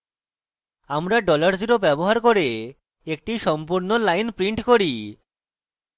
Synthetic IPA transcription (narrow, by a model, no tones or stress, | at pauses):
amɾaɖɔlaɾd͡ʑiɾobɛboɦaɾkoɾe | ek̚ʈiʃɔmpuɾnolajnpɾiɳʈkoɾi